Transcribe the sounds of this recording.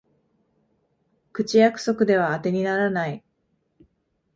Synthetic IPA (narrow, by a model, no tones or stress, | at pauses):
kɯ̟t͡ɕijakɯ̟̥so̞kɯ̟d̪e̞β̞aːt̪e̞ɲ̟inaɾanai